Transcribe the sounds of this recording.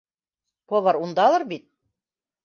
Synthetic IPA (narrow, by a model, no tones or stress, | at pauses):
polˠɑɾund̪ɑlˠɤɾbit̪̚